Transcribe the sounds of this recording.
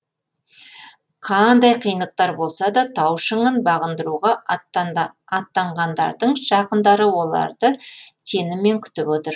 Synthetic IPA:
qʰɑnd̪ɑjqʰijnəq̚t̪ɑɾbo̞lˠsɑd̪ɑt̪ʰɑwʃəɴənbɑʁənd̪əɾuʁɑ | ɑt̪ːɑɴʁɑnd̪ɑ̰ɾd̪əɴʒ̥ɑqənd̪ɑɾəwo̞lˠɑ̰ɾd̪ət̪ʰe̞nɪme̞ŋkʲʰʏ̥t̪ɪpot̪əɾ

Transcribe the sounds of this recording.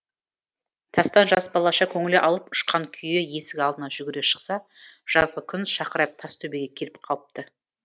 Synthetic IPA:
t̪ʰɑst̪ɑnʒɑsbɑlˠɑʃɑkʲʰɵŋɪleʔɑlˠəpʊ̥ʃqɑŋkʲʰʏjeje̞sɪɡʲkʲɑlˠd̪ənɑʒʏɡʲɪɾeʃə̥qsɑ | ʒ̥ɑzʁəkʲʰʏnʃɑqəɾɑjp̚t̪ʰɑst̪ʰɵbeɡʲekʲʰelɪp̚qʰɑlˠəp̚t̪ə

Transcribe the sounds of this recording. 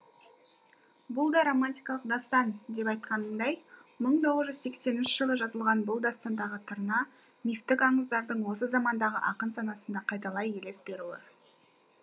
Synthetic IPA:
bʊlˠd̪ɑɾo̞manʲt̪ʲijkɑlˠəq̚d̪ɑst̪ɑnd̪e̞p̬ɑjt̪̚qɑnənd̪ɑjməɴt̪ʰo̞ʁəzʒʏzse̞kse̞nɪnʃɪʒ̥əlˠəʒɑzəlˠʁɑnbʊlˠd̪ɑst̪ɑnd̪ɑʁət̪ʰəɾnɑ | nift̪ɪkɑɴəzd̪ɑɾd̪əɴwo̞səzɑmɑnd̪ɑʁəʔɑqənsɑnɑsənd̪ɑqʰɑjt̪ɑlˠɑjele̞sbe̞ɾulɑ̰ɾ

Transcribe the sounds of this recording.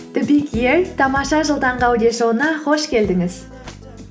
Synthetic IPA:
t̪ɪbikʲjeɾt̪ʰɑmɑʃɑʒəlˠd̪ɑɴʁɑwd̪eʃownɑχo̞ʃkʲʰe̞ld̪ɪŋɪz

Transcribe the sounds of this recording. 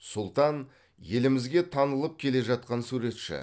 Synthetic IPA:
sʊlˠt̪ɑn | je̞lɪmɪzɡʲe̞t̪ʰɑnəlˠəp̚kʲʰe̞le̞ʒɑt̪̚qɑnsuɾe̞t̪ʃɪ̰

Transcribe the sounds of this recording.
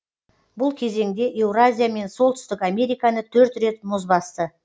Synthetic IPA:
bʊlˠkʲʰe̞ze̞ŋd̪e̞ʔe̞wrazʲijame̞nsolˠt̪ʰʏ̥st̪ɪkame̞ɾijkanət̪ʰɵɾt̪re̞t̪̚mʊzbɑst̪ə

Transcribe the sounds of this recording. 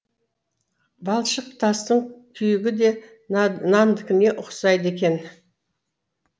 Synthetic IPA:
bɑlˠʃəq̚t̪ʰɑst̪əɴkʲʰʏjɪɡʲɪd̪e̞ | nɑnd̪ɪkʲɪne̞ʔʊqsɑjd̪əe̞kʲe̞n

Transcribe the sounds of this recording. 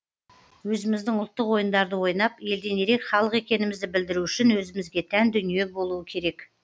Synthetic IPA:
wɵzɪmɪzd̪ɪŋʊlˠt̪ːəqwo̞jənd̪ɑɾd̪əwo̞jnɑpje̞ld̪e̞ne̞ɾe̞kχɑlˠəqe̞kʲe̞nɪmɪzd̪ɪbɪld̪ɪɾuʏʃɪnwɵzɪmɪzɡʲe̞t̪ʰænd̪ʏnije̞bo̞lˠuəkʲʰe̞ɾe̞k

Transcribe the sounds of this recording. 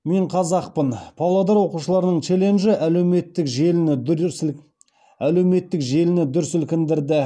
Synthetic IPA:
me̞ɴqʰɑzɑq̚pənpʰɑlˠɑd̪ɑɾwo̞quʃəlˠɑɾənəɴt͡ʃʰe̞le̞nʒɪʔælewme̞t̪ːɪkʒelɪnɪ | æle̞wme̞t̪ːɪkʒe̞lɪnɪd̪ʏɾsʏlkʲɪnd̪ɪɾd̪ɪ

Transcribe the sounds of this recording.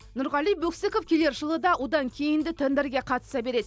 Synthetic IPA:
nʊɾʁɑlˠijbɵksekofkʲʰele̞ɾʒəlˠəd̪ɑwo̞d̪ɑŋkʲʰe̞jɪnd̪ɪt̪ʰend̪əɾɡʲe̞qʰɑt̪əsɑbe̞ɾe̞d̪ɪ

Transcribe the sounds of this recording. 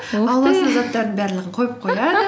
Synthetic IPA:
ɑlˠːɑsɑzɑt̪ːɑɾd̪ənbæɾlɪʁəɴqʰojp̚qʰojɑd̪ə

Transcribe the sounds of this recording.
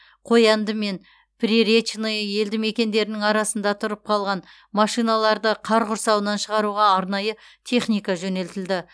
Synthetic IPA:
qʰo̞jɑnd̪əme̞n | pʰriɾet͡ʃnejje̞ld̪ɪme̞kʲe̞nd̪e̞ɾɪnɪŋɑɾɑsənd̪ɑt̪ʰʊɾəp̚qʰɑlˠʁɑn | mɑʃijnɑlˠɑɾd̪əqʰɑɾʁʊɾsɑwənɑnʃəʁɑɾuʁɑːɾnɑjət̪ʰe̞χnijkɑʒɵne̞lt̪ɪld̪ɪ

